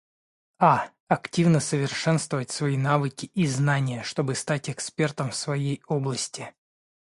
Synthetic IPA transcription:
a | ɐktʲivnəsəvʲɪrʂɛnst̪vəvətʲsvɐinavɨkʲɪʔiznanʲɪjəʂt̪o̞bɨst̪atʲɛkspʲe̞rt̪əmfsvɐjejo̞blˠəsʲtʲɪ

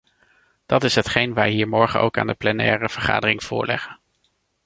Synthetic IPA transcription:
d̥ɑtɪsɦətχejnʋɛjɦiːɹmɔɹχənʔo̰wka̰ːndəplɛnɛːrəv̥əɹχa̰ːdərɪŋv̥ʊ̰ːɹlɛ̰χən

